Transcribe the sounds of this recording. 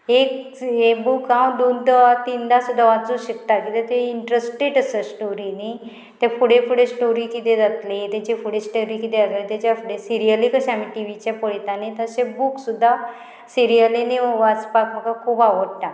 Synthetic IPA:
ek | ɦebukãwd̪ond̪əat̪ind̪asud̪ʱːaʋat͡suɕəkt̪akit̪ɛt̪eiɳʈɾəsʈeʈəsəsʈoɾini | t̪jafʰuɽefuɽesʈoɾikit̪ed͡zat̪let̪et͡ɕefuɽesʈoɾikit̪eət̪let̪at͡ɕjafuɽesiɾijəlikəɕamiʈiʋit͡ɕɛpəɽit̪anit̪əsebuksud̪ʱːa | siɾijəliniʋat͡spakm̤əkakʰuːpaʋəɽʈa

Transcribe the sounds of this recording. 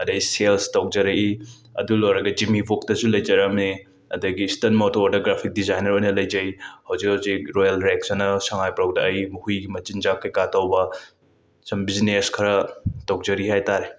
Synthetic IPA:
ɐdɐɡiselstɐw̚d͡ʒɐɾɐʔi | ɐ̰dulojɾɐɡɐd͡ʒimibʱok̚tɐsulɐjd͡ʒɐɾɐmne | ɐ̰dɐɡiːstɐnmotodoɡɾapʰik̚dizajnɐɾojnɐlɐjd͡ʒɐjhɐwzik̚hɐwzikɾojɐlɾeksɐnɐsɐŋajpɾawdɐʔːjmuhujɡimɐt͡ʃind͡ʒakʰːɐjkatʰɐwbɐ | sɐmbizneskʰɐɾɐtɐwd͡ʒɐɾihajtaɾe

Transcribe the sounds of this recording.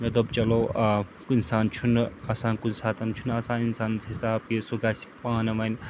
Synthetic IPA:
nɐd̪ɐbt͡ʃɐlo | kinsaːnt͡ʃʰunɐsaːnkunsaːt̪ɐnt͡ʃʰunɐsãːninsaːnɦisaːpisuɡaːsi̥paːnɐmɐn

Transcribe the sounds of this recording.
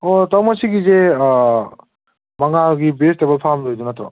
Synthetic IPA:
ɔtawmɔsiɡize | maŋaɡibestebɔlpʰamdojd̪unat̪ɾɔ̰

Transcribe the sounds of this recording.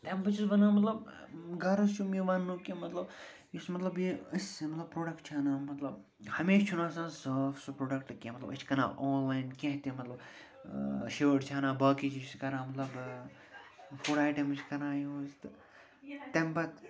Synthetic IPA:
t̪embɐt͡ʃisʋɐnãːmɐt̪lɐb | ɡɐɾɐst͡ʃʰumiʋanːuːkẽmɐt̪lɐb | ismɐt̪lɐbjeəsmɐt̪lɐbpɾoːɖɐkʈ̚t͡ʃʰanaːmɐt̪lɐb | hɐmeːʃt͡ʃʰunaːsãːsɐːfsupɾoːɖɐk̚ʈkẽmɐt̪lɐ̰bɐt͡ʃʰkɐna̰ːʔoːnlaːjnkʲẽɦt̪ẽmɐt̪lɐb | ʃeʋəɖt͡ʃʰaːnãːbɐːkit͡ʃiskɐɾãːmɐt̪lɐb | fʰuɽaːjʈɐmɨt͡ʃʰkɐɾãːjioːzt̪ɨ | t̪embɐt̪

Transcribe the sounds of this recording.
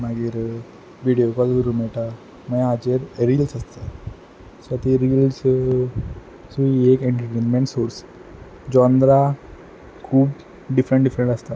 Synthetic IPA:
maɡiːɾ | ʋiɽijokɔlɡəɾumɛɭʈa | məj̃ad͡ʑeɾɾiːlsəst̪a | sət̪iɾils | suiekeɳʈɾəʈeːnmeɳʈsoɾs | d͡ʑɔnd̪ɾa | kʰuːp | ɖifɾəɳʈɖifɾəɳʈəst̪a

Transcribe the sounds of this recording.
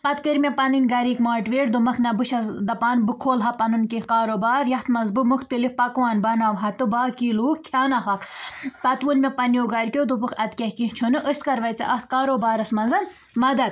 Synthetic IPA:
pɐt̪kɨɾʲmʲepɐninʲɡɐɾiːkmaːʈʋeːʈd̪omɐkʰnɐbɨʃɐsd̪ɐpaːnbɨkʰoːlɦɐpɐnɨnkihkaːɾoːbaːɾjɐht̪ʰmɐnzbɨmukʰt̪ɨlipɐkʋaːnbɐnaːʋɦɐt̪ɨbaːkiːluːkkʲʰjaːnɐɦɐkpɐt̪ʋunmʲepɐnijoːɡɐɾʲkʲod̪opɨkʰɐt̪kʲɐhkĩɦt͡ʃʰunɨʔəst̪kɐɾʋɐjt͡sɐ̰ʔɐht̪kaːɾoːbaːɾɐsmɐnzɐn | mɐd̪ɐt̪̚

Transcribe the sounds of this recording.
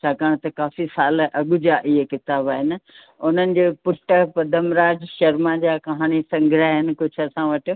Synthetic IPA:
t͡ɕʰaːkaːɽ̃t̪ɐkaːfisaːlʔɐɠʊd͡ʑaːʔɪɦekɪt̪aːbaːɦɪnɪ̆ | ʊnənɪ̆d͡ʑeːpʊʈəpɐd̪ʱəmɾaːd͡ʑʃɐɾmãd͡ʑaːkɐɦaːñisɐ̃ŋɡʱɾaːɦɪnɪ̆kʊd͡ʑʱʰɐsãʋɐʈ̆

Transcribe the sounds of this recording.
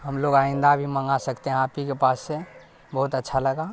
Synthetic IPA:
ɦəmloɡaɪ̃nd̪abʱiməŋɡasəkt̪eɦɛ̃apikepaːsːe | bəɦut̪ətːʃʰaləɡa

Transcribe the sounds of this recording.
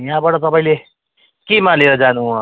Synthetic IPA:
jɦãbʌʈʌt̪ʌpaĩle | kemaleɾʌd͡zanu

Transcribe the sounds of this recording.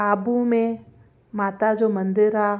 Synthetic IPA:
aːbumẽ | maːt̪ad͡ʒomə̃nd̪ɪɾɦaː

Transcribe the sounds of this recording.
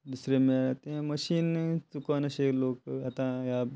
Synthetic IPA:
d̪usɾemeɾat̪eɦɛ̃məʃiːnt͡sukanɐɕeloːkɐt̪ãjab

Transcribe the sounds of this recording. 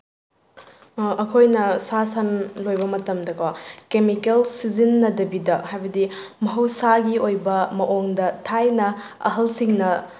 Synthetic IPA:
ɐkʰojnɐsasɐnlojbɐmɐtɐmdɐkʰokemikelsizinːɐdɐbidɐhajbɐdimɐɦɐwsaɡiojbɐmɐʔoŋdɐtʰajnɐ | ɐ̰ɦɐlsiŋnɐ

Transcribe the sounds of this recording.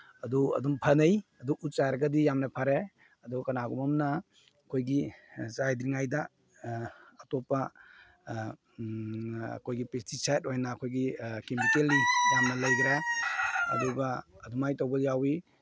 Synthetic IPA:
ɐduɐ̰dumpʰɐnɐjɐduʔut̚t͡ʃajɾɐɡɐdijamnɐpʰaɾe | ɐdukɐnaɡɔmɐmnɐ | kʰojɡizajdɾiŋajdɐ | topːɐ | kʰojɡipɾestisajt̚ojnɐːkʰojɡikemikelnijamnɐlɐjdɾa | ɐ̰duɡɐːdumajtowbɐljawi

